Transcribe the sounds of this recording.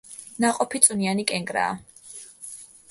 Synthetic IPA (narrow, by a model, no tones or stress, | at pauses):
naqʼɔpʰit̪sʼunianikʼɛŋɡʼɾa̰ː